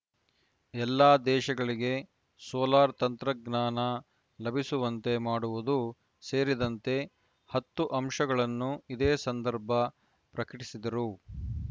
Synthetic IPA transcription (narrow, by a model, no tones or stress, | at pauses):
ɛlːaːd̪ɛːʃɐɡɐɭiɡe̞ | sɔːlaːɾt̪ɐnt̪ɾɐɡnaːnɐ | lɐbʱisuʋɐnt̪e̞maːɽuʋud̪u | seːɾid̪ɐnt̪e̞ | hɐt̪ːuʔɐmʂɐɡɐɭɐnːuid̪eːsɐnd̪ɐɾbʱɐ | pɾɐkɐʈisid̪ɐɾu